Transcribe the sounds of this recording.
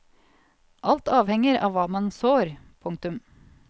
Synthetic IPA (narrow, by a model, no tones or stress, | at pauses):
ʔɑlt̪ɑːʋhɛŋəɾɑ̰ːʋɑːmɑnsoːɾpʰʊŋk̚t̪ʉm